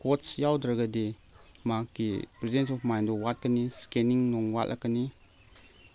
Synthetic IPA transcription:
kɔtsjawdɾaɡade | makːḭpɾɛzdɛns̬ɔfmajndɔwat̚kaniskɛniŋnɔŋwatʔa̰kani

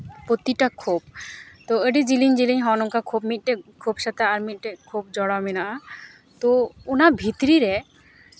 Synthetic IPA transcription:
pot̪iʈakʰːub̚t̪ɔəɖid͡ʒiliɲd͡ʒiliɲɦɔnɔŋkakʰubmit̪̚ˀʈɛkʰubʃat̪aaɾmit̪̚ˀʈɛkʰubd͡ʒɔɽaminaʔa | t̪ɔunabʱit̪ɾiɾɛ

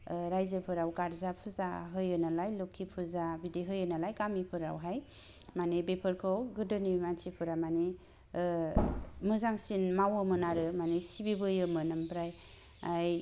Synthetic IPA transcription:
ɾajzəpʰɯɾawkaɾzapʰuza̰ɦɯjɯnalajlokʰːipʰuzabideɦɯjɯnalajkamipʰɯɾa̰wɦaj | manebepʰɯɾkʰɯwɡɯdɯniimansipʰɯɾamane | mɯzaŋsinmawɯmɯnaɾɯmanesibibɯjɯmɯnɯmpɾaj | aj

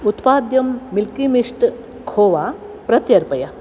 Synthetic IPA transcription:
ut̪paːd̪jɐmːilkimiʂʈ | kʰoːʋa | pɾɐt̪jɐɾpɐja

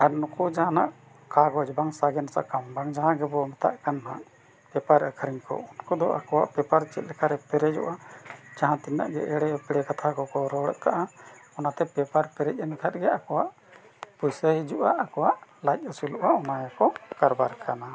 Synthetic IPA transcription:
aɾnukud͡ʒaɦãna̰ʔ | kaɡɔd͡ʒbaŋsaɡɛnasa̰ʔkambaŋd͡ʒaɦãɡɛbɔmɛt̪a̰ʔkanã̰ʔ | pɛpaɾəkʰəɾiɲkɔ̰unkɔd̪ɔʔa̰kɔwa̰ʔpɛpaɾt͡ʃɛt̪̚lɛkʰaɾɛpɛɾɛd͡ʒɔ̰ʔad͡ʒaɦãt̪inːa̰ʔɡɛ̰ʔɛɽɛpɛɽɛkat̪ʰakɔkɔɾɔɽə̰ʔkaʔaɔnat̪ɛpɛpaɾpɛɾɛc̚ˀɛnkʰat̪̚ɡɛakɔwaʔ | pujsəid͡ʒuʔaʔakɔwaʔlac̚ˀəsulɔʔaʔɔnajakɔkaɾbaɾkʰana

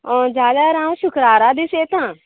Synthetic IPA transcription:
ɔːd͡ʒaːd̪aɾãːʋʃʊkɾaːɾaːd̪iseːt̪ãː

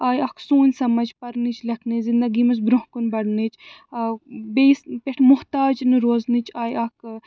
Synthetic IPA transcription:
aːjɐksuːnʲsɐmɐd͡ʒpɐɾnit͡ʃʰlɐkʰnizind̪ɐɡimɐs̬bɾoɦkunbɐɽnit͡ʃʰ | bespʲeʈʰmʊht̪aːd͡ʒnɨɾoːznit͡ʃʰaːjɐk

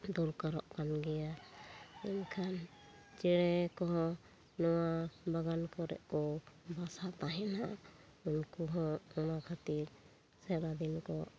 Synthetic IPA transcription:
d̪ɔlkaɾɔʔkanɡɛja | inkʰan | t͡ʃɛɽɛkɔɦɔ̃ | nɔwabaɡankɔɾɛ̰ʔkɔbasat̪aɦɛna | unkuɦɔ̃ɔnakʰat̪iɾ | sɛɾad̪inkɔʔ

